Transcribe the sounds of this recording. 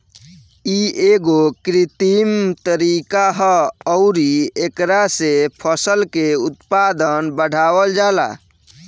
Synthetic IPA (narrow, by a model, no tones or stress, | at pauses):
ieɡokɾit̪imt̪əɾikaɦəɔʊɾiekɾasepʰəsəlkeut̪pad̪ənbəɽ̤ʱawəld͡ʒala̰